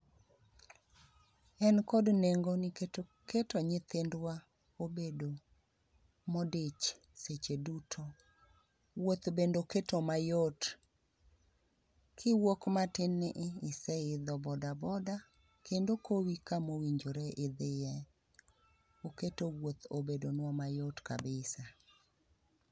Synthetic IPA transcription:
ɛnkɔdneŋɡonɪk | ketɔɲɪt̪ɪndwa | obedo | modet͡ʃ | set͡ʃedutʰo | wot̪bendoketomajot | kʰɪwokmatɪnɪʔɪsɛɪd̪ɔbɔdabɔda | kendokʰowikamowiɲd͡ʒoɾeʔɪd̪ɪjɛ | oketowwot̪obedonwɔmajotka̰bɪsa

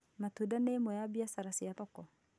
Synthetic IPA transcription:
matudaneːmɔjabiasaɾasiaðɔkɔ

